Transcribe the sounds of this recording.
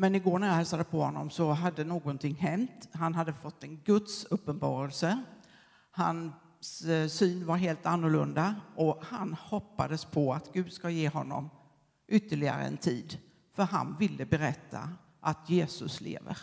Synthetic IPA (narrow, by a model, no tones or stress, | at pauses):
mɛnɪɡoːɾɳæjahɛlsad̪əpʰɔhɔnːɔ̰msɔɦad̪ːənoːɡɔnt̪ʰɪŋːɦɛnt̪ɦanɦad̪ːəfɔt̪ːɛnɡɵt̪sɵpːənbɑ̰ːɾəlsə | han | ssyːnvaɾɦeːlt̪anːʊɭɵnd̪aʔɔhanhɔpːa̰d̪əspʰɔat̪ɡ̥ʉ̟ːd̪skajeːɦɔnːɔ̰m | ʔʏt̪ːəɭɪɡa̰ɾə̰ɛ̰nt̪ʰiːd̪ | fœɾɦa̰nvɪlːəbɛɾɛt̪ʰːa̰ | ʔat̪jeːsɵslḛːvə̰ɾ